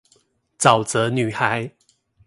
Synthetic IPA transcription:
t͡sɑ˨˩ʊt͡sɤ˧˥ny˨˩xa˨˧˦ɪ

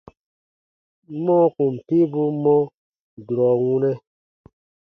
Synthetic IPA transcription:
mɔ̃˦ku˨m̩˨pi˦bu˦mɔ̃˦ | du˨ɾɔ˨wũ˦nɛ̃˦

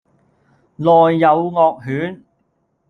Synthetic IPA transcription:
lɔː˨˩jːɐ˨˧wŋɔː˧k̚ɦyː˨˥n

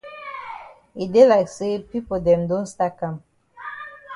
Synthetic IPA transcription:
i˨de˦laɪkse˦pi˦podɛ̃mdõ˦nsta˦kã˨m

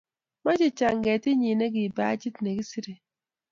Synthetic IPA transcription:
ma˦d͡ʒi˨t͡ʃa˨ŋ˨ɡɛ˨ti˦ɲi˨ne˦ɡi˨ba̰˦d͡ʒi˦tne˨ɡi˦si˦ɾe˨

